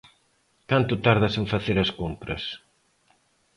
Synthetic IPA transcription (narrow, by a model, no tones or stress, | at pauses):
kant̪ʊt̪aɾðɐsẽɱfaθeɾɐskompɾɐ̰s